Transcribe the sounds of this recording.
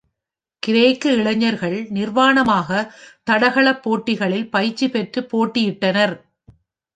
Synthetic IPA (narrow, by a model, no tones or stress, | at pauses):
kɪɾeːkːɯɪɭɐɲːɐɾɣɐɭnɪɾʋaːɳɐmaːɣɐt̪ɐɽɐɣɐɭɐpːoːʈːɪɣɐɭɪlpɐjt͡ʃːipɛʈrɯpːoːʈːɪjɪʈːɐnɐɾ